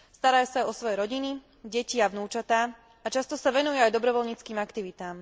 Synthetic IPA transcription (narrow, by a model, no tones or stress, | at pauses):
st̪aɾajusaajɔsʋɔjɛɾɔɟini | ɟɛciaʋnuːt͡ʃat̪aː | at͡ʃast̪ɔsaʋɛnujɛajd̪ɔbɾɔʋɔlɲiːt͡skiːmakt̪iʋit̪aːm